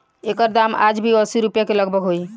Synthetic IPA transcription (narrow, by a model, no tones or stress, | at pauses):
ekəɾd̪ama̰d͡ʒbʱiəsiɾupjakeləɡbəkɦoj